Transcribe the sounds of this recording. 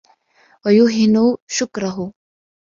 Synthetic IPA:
ɐjuɦinuʃʊkɾɐɦoː

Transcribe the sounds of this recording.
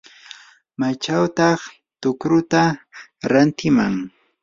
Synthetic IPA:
mat͡ʃawt̪ɑχ | t̪ʊkɾʊt̪aɾant̪ɪmaŋ

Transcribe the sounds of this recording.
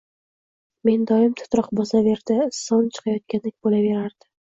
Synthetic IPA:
me̞nd̪ɒjɪmt̪ʰʊ̥t̪ɾɒqbɒzave̞ɾd̪ɪsɒnt͡ʃʰɨ̥qʰɑjɒt̪̚kʲand̪ɪk̚ʲbolave̞ɾaɾd̪̥ɪ

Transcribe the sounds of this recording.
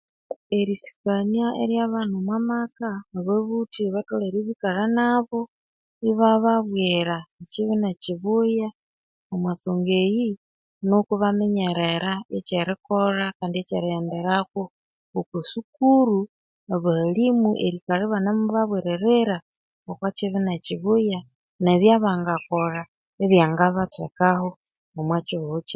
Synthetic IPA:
e̞ɾisi̥kaniaʔḛɾjaβanumwamakaβeβutiβatoleɾiβikaɾanaβo̞ | iβaβaβweɾaet͡ʃiβinaciβuja | omwasoŋɡeji | nokuβameɲeɾeɾaet͡ʃeɾikoɾakaːndiet͡ʃeɾiendeɾaxwo | ukusukuɾu | βalimuʔeɾikaɾeβanamuβaβweɾeɾeɾa | okwat͡ʃiβinat͡ʃiβuja | neβjaβaːŋɡakora | eβjaːŋɡaβatekaho | omwat͡ʃiout͡ʃe̥

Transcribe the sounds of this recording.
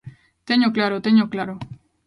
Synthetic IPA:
t̪eɲoklaɾot̪eɲoklaɾo

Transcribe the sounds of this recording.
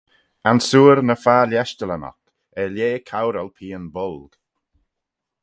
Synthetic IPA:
ansuːɾnəfaːljɛʃt͡ʃələnɔ̰k | ɛljeːkʰawɾəlpʰiːənbʊlɡ̥

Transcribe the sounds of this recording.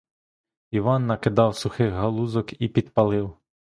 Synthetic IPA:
iʋɑnːɐkɪd̪ɑwsʊxɪɣɦɐlˠuzɔkipʲid̪pɐlˠɪw

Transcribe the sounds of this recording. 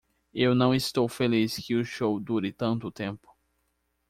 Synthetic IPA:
ewnɐ̃w̃ɪst̪owfeliskɪʊʃowd̪uɾɪt̪ɐ̃nt̪ʊt̪ẽmpʊ̥

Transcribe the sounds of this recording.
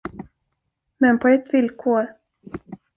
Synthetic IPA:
mɛnpʰɔɛt̪ːvɪlkʰoːɾ

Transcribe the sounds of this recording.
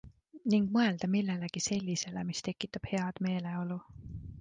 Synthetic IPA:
niŋɡ̥̚mɤe̞ld̪̥ɑmilːe̞leɡ̥ise̞lʲːise̞le̞mist̪e̞kːˑit̪ːˑɑb̥he̞ɑd̪̥me̞ːle̞o̞lu

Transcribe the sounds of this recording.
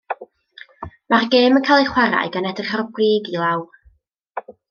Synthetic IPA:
marɡeːmənkʰajlˠejχwaɾa̰ɨɡanɛdərχarɡwriːɡilˠawr

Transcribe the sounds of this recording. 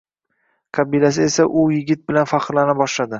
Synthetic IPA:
qʰɑbilas̬ɪe̞saʔʊjɪɡʲɪt̪̚bɪlanfaqɾlanɪbɒʃlad̪ɪ

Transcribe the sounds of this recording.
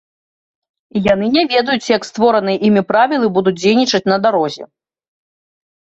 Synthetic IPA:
ijan̪ɨnʲɛvʲɛd̪ɐjut͡sʲjɐkst̪vɔɾɐnɨjɐʔimʲipɾavʲilˠɨbud̪ut͡s̚ʲd͡zʲejnʲit͡ʂɐt͡sʲnɐd̪aɾɔzʲɛ̰

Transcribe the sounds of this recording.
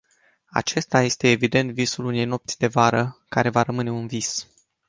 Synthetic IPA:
a̰t͡ʃe̞st̪aje̞st̪e̞ːvid̪e̞nt̪visulune̞jno̞p̚t̪sʲd̪e̞vaɾəkaɾe̞vaɾəmɨne̞unvis

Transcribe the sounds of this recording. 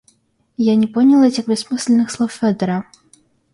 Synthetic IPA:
janʲɛpɔnʲilˠɛtʲɐxbʲɛsmɨsʲlʲɛnɨxslˠɔwfʲɛd̪ɛɾɐ

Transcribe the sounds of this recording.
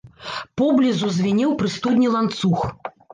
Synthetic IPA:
pɔblʲizuzʲvʲinʲɛwpɾɨst̪ud̪ʲnʲilˠant̪sux

